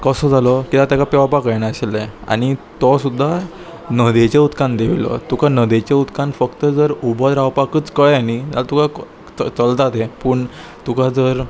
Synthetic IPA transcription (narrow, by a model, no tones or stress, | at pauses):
kəsɔd͡zʱalɔkit̪at̪jakapɛʋapakəjɳaəɕelea̰ɽ̃it̪ɔsud̪ʱːa | nəd̪et͡ɕeut̪kãnd̪eʋilɔ̰t̪ukanəd̪et͡ɕeut̪kanfəkt̪əd͡zəɾubʱəd̪ɾawpakət͡skəɭanid͡zalat̪uka | t͡səlt̪at̪ɦepəːɳ | t̪ukad͡zəɾ